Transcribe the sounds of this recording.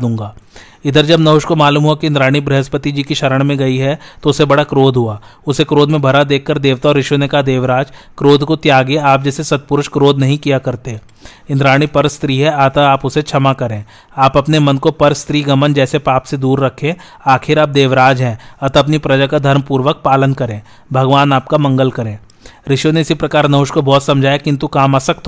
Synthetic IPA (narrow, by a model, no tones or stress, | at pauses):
d̪ũːŋɡaː | ɪd̪əɾd͡ʒɐbnɐɦʊʃkomaːluːmɦuakiɪnd̪ɾaːɽ̃ibɾɪɦəspət̪id͡ʒiːkiʃɐɾəɽ̃mẽɡɐiɦɛt̪oʊsebɐɽakɾoːd̪ɦuaːʊsekɾoːd̪mẽbʱɐɾad̪eːkʰːɐɾd̪eːʋt̪aɔːɾɪʃjõnekɐɦad̪eːʋɾaːd͡ʒ | kɾoːd̪ʱkot̪jaːɡeaːp̚d͡ʒɛːsesɐt̪̚pʊɾʊʃkɾoːd̪nɐɦĩkijakɐɾt̪e | ɪ̃nd̪ɾaːɽ̃ipɐɾst̪ɾiːɦɛaːt̪aaːpʊset͡ʃʰɐmakɐɾẽː | aːpɐpnemɐnkopɐɾst̪ɾiːɡɐmənd͡ʒɛːsepaːpsed̪uːɾːɐkʰẽː | aːkʰɪɾaːp̚d̪eːʋɾaːd͡ʒɦɛ̃ːɐt̪aɐpnipɾɐd͡ʒakad̪ʱɐɾmpuːɾʋək̚paːlənkɐɾẽː | bʱɐɡʋaːnaːp̚kamɐ̃ŋɡəlkɐɾẽː | ɾɪʃjõneɪsipɾɐkaːɾnɐɦʊʃkobɔːt̪sɐ̃md͡ʒʱaːjakɪ̃nt̪ukaːmaːsɐkt̪ʰo